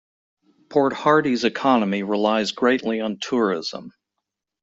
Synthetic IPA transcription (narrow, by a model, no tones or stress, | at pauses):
pʰɔɹt̚hɑɹɾizɨkʰɑnəmiɹɪlaɪzɡɹeɪʔˡliə̃ntʰʊɹɪz̥ə̰̃m